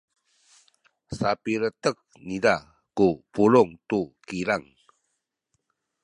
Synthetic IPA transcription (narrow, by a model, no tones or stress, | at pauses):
sapiɾətək̚nida | kupuluŋtukiɾaŋ